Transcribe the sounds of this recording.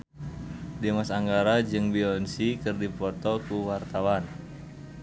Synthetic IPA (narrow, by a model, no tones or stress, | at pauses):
demasaŋɡaɾad͡ʒɨŋbiɔnsikɨrdipɔt̪ɔkuwart̪awan